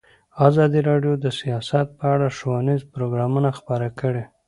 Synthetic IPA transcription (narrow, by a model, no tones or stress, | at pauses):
azɑd̪iɾɑɖjod̪əsijɑsat̪̚pəaɽaʃowanizpɾoɡɾɑmunaxpəɾakəɽe